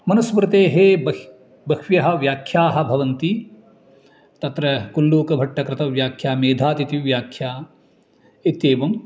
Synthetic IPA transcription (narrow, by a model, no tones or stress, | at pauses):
mɐnɐsmɾɪt̪eːɦeːbɐ | bɐkʋjɐɦɐ̆ʋjaːkʰjaːɦɐ̆bʱɐʋɐnt̪i | t̪ɐt̪ɾɐkulːuːkɐbʱɐʈʰːɐkɾɪt̪ɐʋjaːkʰjaːmeːd̪ʱaːt̪it̪iʋjaːkʰjaː | et̪eːʋɐm